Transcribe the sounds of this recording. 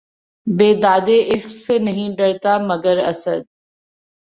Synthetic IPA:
beːd̪aːd̪eʔɪʃqsenɐɦĩɖɐɽt̪amɐɡəɾɐ̰səd̪̚

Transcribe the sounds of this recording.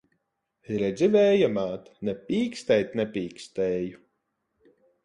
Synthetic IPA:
iɾɛd̪zʲivɛːjamaːt̪nɛpʲiːkst̪ɛjt̪nɛpʲiːkst̪ɛːju

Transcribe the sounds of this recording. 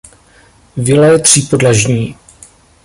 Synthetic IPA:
vɪlɛjt̪r̝̥ipodlaʒɲiː

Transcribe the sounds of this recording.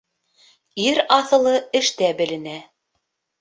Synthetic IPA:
iɾɑθɤ̆lˠɤɘ̆ʃt̪æbɘ̆lɘ̆næ

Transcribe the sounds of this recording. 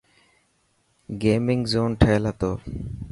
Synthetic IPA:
ɡeːmɪŋzoːnʈʰaːlat̪oː

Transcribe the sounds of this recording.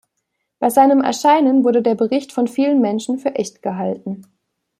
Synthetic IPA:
b̥aɪzaɪnəmɛ̰ɐʃaɪnənvʊɐɾədeːɐbəʁɪçtfɔnfiːlənmɛnʃn̩fyːɐʔɛçtɡ̥əɦalt̚n̩

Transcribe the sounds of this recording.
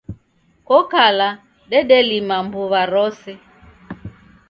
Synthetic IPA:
kɔkala | ɗɛɗɛlimambuβaɾɔsɛ

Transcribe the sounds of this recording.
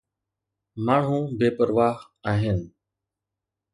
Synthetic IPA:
maːɳ̤ũːbeːpəɾʋaːɦ | aːɦɪn

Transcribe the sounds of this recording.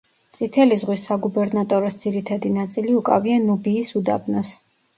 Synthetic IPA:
t̪sʼit̪ʰɛlizʁwisːaɡubɛɾnat̪ʼɔɾɔsd̪z̥iɾit̪ʰad̪inat̪sʼiliukʼa̰vianubiːsud̪abnɔs

